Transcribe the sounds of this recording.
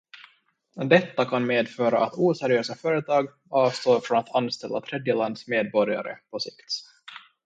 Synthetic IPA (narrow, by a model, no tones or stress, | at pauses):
d̪ɛt̪ːakʰanmeːd̪fœːɾa̰ʔat̪ʰuːsæɾɪøːsafœːɾət̪ʰɑːɡ | ɑːvst̪oːɾfɾɔnat̪ʰanst̪ɛlːat̪ʰɾɛd̪jəland̪smeːd̪̚bɔɾɪa̰ɾə̰pʰɔsɪkt̪